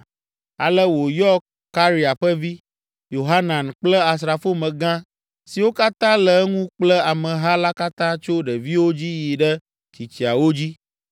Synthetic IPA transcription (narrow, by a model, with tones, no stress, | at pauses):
a̰˨lə˦wo˨jɔ˦kː | a˦ɾi˨a˨ɸə˦vi˦ | jo˨ɦa˦nã˨nk͡plə˦a˨s̬ɾa˨fo˦mə̃˨ɡã˦ | si˨wo˦ka˦t̪ã˦lə˨˦ŋũ˦k͡plə˦a˨mə̃˨ɦa˦la˦ka˦t̪ã˦t͡ʃo˦ɖə˨vi˦wo˦d͡ʑi˦ji˨ɖɛ˦ | t͡ɕi˨t͡ʃi˨a˨wo˦d͡ʑi˦